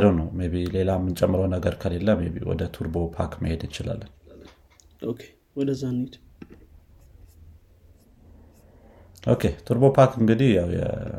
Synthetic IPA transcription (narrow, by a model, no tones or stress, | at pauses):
d̪əwnəwmeβile̞lamːɨnt͡ʃʼɛmːɨɾəwnəɡəɾkʰəle̞lːəmːeβḭwɔ̰d̪ət̪ʰuɾbo̞pʰa̰kməhe̞d̪ɨnt͡ʃɪla̰lːən | ʔokʰe | wɔd̪əzːanit̪ | ʔo̞̰kʰe̞t̪ʰuɾbo̞pʰakɨŋɡɨd̪ihjawjɛ̰